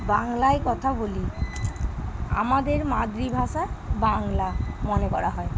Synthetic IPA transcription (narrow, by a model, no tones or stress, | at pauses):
baŋlajkɔt̪ʰaboli | a̰mad̪eɾmad̪ɾibʱaʃabaŋlamɔnekɔɾaɦɔe